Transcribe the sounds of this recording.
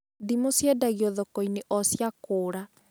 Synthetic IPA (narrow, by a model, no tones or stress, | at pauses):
dimosjɛdaɣiɔðɔkɔineʔɔsjakoːɾa